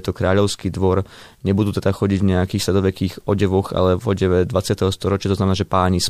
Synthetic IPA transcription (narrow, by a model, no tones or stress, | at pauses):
t̪ɔkɾaːʎɔʊskiːd̪ʋɔɾ | ɲɛbud̪uːt̪ɛd̪axɔɟiɟvɲɛakiːxsɛd̪ɔʋɛkiːxɔɟɛʋɔɣa̰lɛvɔɟɛʋɛd̪ʋat͡sɪat̪ɛɦɔst̪ɔɾɔt͡ʃɪat̪ɔznamɛnaːʒɛpaːɲis